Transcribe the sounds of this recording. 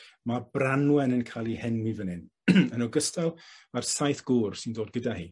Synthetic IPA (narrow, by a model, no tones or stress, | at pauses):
mabranwɛnənkʰajlˠihɛnwivənɪn | ənɔɡəstalˠarsajθɡ̥uːrsɪndoːd̚ɡədahiː